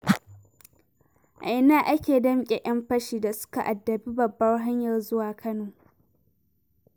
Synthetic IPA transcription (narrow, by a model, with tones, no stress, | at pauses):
ʔa̰˨ʔɪ˦naː˦ʔa˦kʲeː˨dɐ˦mkʲʼe˨ʔɐ˦mɸɐ˦ʃiː˨da˨sʊ̥˦ka˨ʔa˨dːɐ˨biː˦bɐ˨bːɐ˦rɦa˦ɲjɐ˨rzʊ˦waː˨kʰɐ˦noː˨